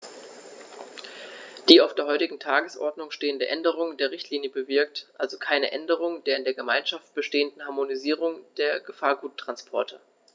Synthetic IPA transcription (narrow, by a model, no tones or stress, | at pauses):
d̥iːaʊfd̥eːɐɦɔʏtɪɡŋ̩tʰaːɡəsʔɔ̰ɐdnʊŋʃteːəndəʔɛndəʁ̞ʊŋdeːɐʁɪçtʰliːnjəbəvɪɐk̚tʔalzokʰaɪnə̰ʔɛndəʁ̞ʊŋdeːɐɪndeːɐɡəmaɪnʃaft̚b̥əʃteːəndn̩haɐmoniziːʁʊŋd̥eːɐɡ̥əfaːɐɡuːtʰːʁ̥anspʰɔɐtʰə